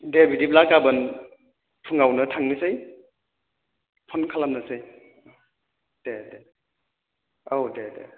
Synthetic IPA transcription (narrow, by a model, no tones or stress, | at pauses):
debidiplakabɯn | pʰɯŋawnɯtʰaŋnisɯj | pʰɔnkʰalamnasɯj | d̥ede | owdedḛ